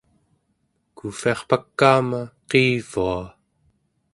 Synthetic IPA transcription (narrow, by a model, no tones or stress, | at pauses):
kufiɑχpakːaːmaqiːv̥ua